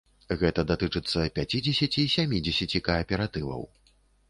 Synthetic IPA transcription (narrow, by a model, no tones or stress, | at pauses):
ɣɛt̪ɐd̪at̪ɨt͡ʂɨt̪sːɐpʲat͡sʲid͡zʲɛsʲɐt͡sʲisʲamʲid͡zʲɛsʲat͡sʲikɐːpʲɛɾat̪ɨvɐ̰w